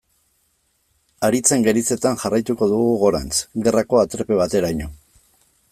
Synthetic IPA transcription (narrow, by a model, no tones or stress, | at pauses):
aɾit͡se̞ŋɡe̞ɾit͡se̞t̪anʝarajt̪uko̞ðuɣuɣo̞ɾa̰nt͡sɣe̞rako̞at̪ɾepe̞β̞at̪e̞ɾajɲo